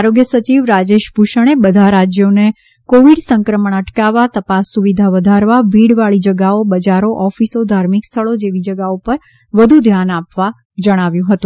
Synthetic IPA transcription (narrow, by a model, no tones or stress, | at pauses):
aɾoɡjəsət͡ʃiʋɾad͡ʒeʃbʱuʃəɽ̃ebəd̪ʱaɾad͡ʒjone | koʋiɽsəŋkɾəməɳ̃əʈkaʋat̪əpasːuʋid̪ʱaʋəd̪ʱaɾʋaʋiɽʋaɭid͡ʒəɡaobəd͡ʒaɾoʔɔfisod̪ʱaɾmikst̪ʰəɭod͡ʒeʋid͡ʒəɡaupəɾ | ʋəd̪ʱud̪ʱjanapʋa | d͡ʒəɽ̃aʋjũɦət̪ũ